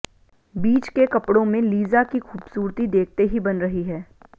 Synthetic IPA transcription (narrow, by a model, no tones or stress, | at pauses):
biːt͡ʃkekɐpɽõmẽliːzakixuːbsuːɾt̪id̪eːk̚ʰt̪eɦibɐnɾɐɦiɦɛː